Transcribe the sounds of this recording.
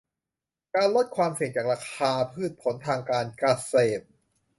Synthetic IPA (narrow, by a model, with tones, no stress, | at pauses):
kaː˧nlo˦˥t̪̚kʰwaː˧msi˨˩ŋt͡ɕaː˨˩k̚ɾaː˧kʰaː˧pʰɯː˥˩t̪̚pʰo˩˦nt̪ʰaː˧ŋkaː˧nkɾa˧seː˨˩p̚